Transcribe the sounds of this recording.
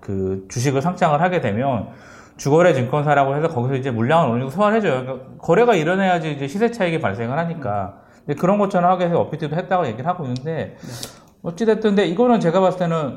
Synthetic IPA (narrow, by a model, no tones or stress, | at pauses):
kɯt͡ɕuɕ̬iɡɯɭsʰaŋt͡ɕ͈aŋɯɭɦaɡe̞dwe̞mjʌn | t͡ɕuɡʌɾe̞t͡ɕiŋk͈ʌnsʰaɾaɡoɦesʰʌkʌɡisʰʌid͡ʑe̞muɭːaŋɯnɾʌɾɯiɡosʰʌɯɭɦe̞d͡ʑojoik͈akʌɾe̞ɡaiɾʌne̞jad͡ʑiːd͡ʑe̞ɕʰisʰe̞t͡ɕʰaiɡipaɭs͈e̞ŋɯɭɦaɲik͈a | ndekɯɾʌnɡʌt͡ɕʰaɾʌmhaɡies̬ʰʌʌpʰitʰidoɦet̚t͈aɡoje̞ɡiɾɯɭɦaɡoinːɯnde̞ | ʌt͡ɕ͈etet͈ʰɯnde̞iɡʌnɯnt͡ɕe̞ɡapas͈ɯt͈enɯn